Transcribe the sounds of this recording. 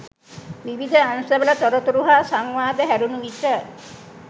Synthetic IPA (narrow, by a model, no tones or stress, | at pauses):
ʋiʋid̪ʱəanusabɐlɐt̪ɔɾot̪uɾuɦasaŋʋaːd̪əɦæɾunuit̪ə